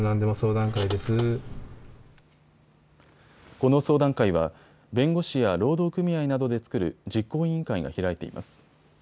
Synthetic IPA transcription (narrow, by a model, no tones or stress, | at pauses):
nãnd̪e̞moso̞ːd̪ãŋkaid̪e̞sɨ | ko̞no̞so̞ːd̪ãŋkaiβ̞a | bẽ̞ŋɡo̞ɕijaɾo̞ːd̪o̞ːkɯ̟mʲiainad̪o̞d̪e̞t͡sɨ̥kɯ̟ɾɯ̟̰d͡ʑikːo̞ːĩŋkaiɡa̰çiɾait̪e̞̰ḭma̰sɨ̥